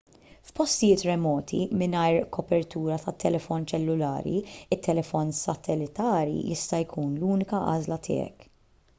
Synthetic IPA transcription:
fpɔst̪ɪjɪːt̪ɾɛmɔːt̪ʰḭmɪnɐjɾkʰɔpɛɾt̪uːɾɐt̪ɐt̪ːɛlɛfɔnt͡ʃɛlːʊlɐ̰ːɾḭɪt̪ʰːɛlɛfɔnsɐt̪ʰɛlɪt̪ɐːɾḭjɪst̪ɐjkʰuːnluːnɪkɐʔɐ̰ːzlɐt̪ʰɪ̰ːɛ̰k

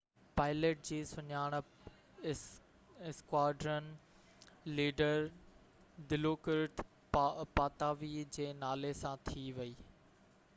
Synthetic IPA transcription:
paːɪleːʈ̚d͡ʑiːsʊɲaːɽ̃ | ɪskwaːɖɾən | liːɖəɾ | d̪ɪloːkɪɾʈ | paːt̪aːʋid͡ʑeːnaːlesãt̪ʰiʋɐiː

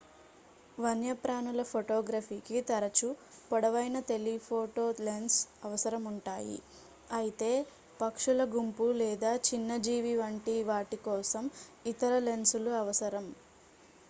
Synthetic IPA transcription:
ʋɐnjɐpɾaːnulɐpʰoʈɔːɡɾaːpʰiːkit̪ɐɾɐt͡ʃupɐɽɐʋɐjnɐt̪e̞lipʰoːʈoːlensɐʋɐsɐɾɐmuɳʈaːjḭ | ɐjit̪e̞ː | pɐkʂulɐɡumpulɛːd̪aːt͡ʃinːɐd͡ʒiːʋiʋɐɳʈiʋaːʈikɔːsɐmit̪ɐɾɐle̞nsuluɐʋɐsɐɾɐm

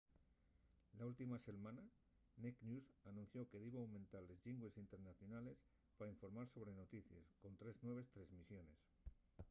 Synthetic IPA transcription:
lault̪imase̞lmãna | neknjusanũn̟θjo̞ke̞ðiβoawmẽ̞nt̪aɾlezʎiŋɡwe̞sint̪e̞ɾnaθjo̞nale̞s | paɾaiɱfo̞ɾmaɾso̞β̞ɾe̞no̞t̪iθjḛskont̪ɾe̞znwe̞β̞e̞st̪ɾe̞zmisjo̞ne̞s

